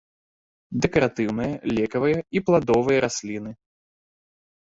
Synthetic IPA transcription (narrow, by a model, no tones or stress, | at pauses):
d̪ɛkɐɾat̪ɨwnɨjɐlʲɛkɐvɨjɐiplˠad̪ɔvɨjɐɾasʲlʲinɨ